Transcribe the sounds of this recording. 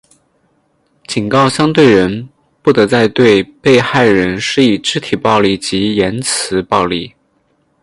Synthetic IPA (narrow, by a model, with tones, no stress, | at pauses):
t͡ɕi˨˩ŋkɑ˥˩ʊɕjɑ˥ŋt̪we˥˩ɪɻə˧˥n | pu˥˩t̪ɤ˧˥t͡sa˥˧ɪt̪we˥˧ɪpe˥˧ɪxa˥˩ɪɻə˧˥nʂɻ̩˥˩i˨˩ʈ͡ʂɻ̩˧˥t̪ʰi˨˩pɑ˥˧ʊli˥˩t͡ɕi˧˥jɛ˧˥nt͡sʰɹ̩˧˥pɑ˥˧ʊli˥˩